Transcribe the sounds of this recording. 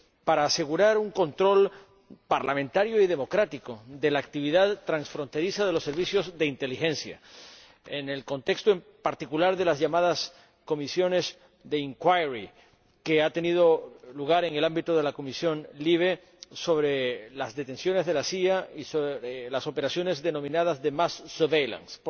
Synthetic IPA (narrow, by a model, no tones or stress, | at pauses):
paɾaːse̞ɣuɾaɾuŋko̞nt̪ɾo̞l | paɾlamẽnt̪aɾjo̞iðe̞mo̞kɾat̪iko̞d̪e̞laːk̚t̪iβiðaðt̪ɾansfɾo̞nt̪e̞ɾisaðe̞lo̞sːe̞ɾβisjo̞zðe̞int̪e̞lixẽ̞nsja̰ | ene̞lko̞nt̪e̞kst̪oempaɾt̪ikulaɾðe̞lazʝamað̞as | ko̞misjo̞ne̞s | ðe̞iŋkwajɾi | keat̪e̞nið̞o̞luɣaɾe̞ŋe̞lambit̪oðe̞lako̞misjo̞nliβ̞e̞ | so̞βɾelazðe̞t̪e̞nsjo̞ne̞zðe̞lasiaisoɾelaso̞pe̞ɾasjo̞ne̞zðe̞nõ̞mĩnað̞azðe̞masːeɾβejla̰ns